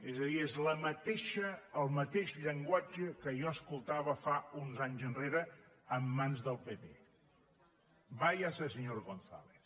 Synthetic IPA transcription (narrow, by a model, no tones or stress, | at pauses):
ezəðiezləmət̪eʃəːlˠmət̪eʃʎəŋɡwad͡ʒəkəʒɔəskulˠt̪aβəfaunzaɲzənreɾəː | mːanzðəlˠpepḛ | bajasəsəɲoɾɣonθa̰lḛθ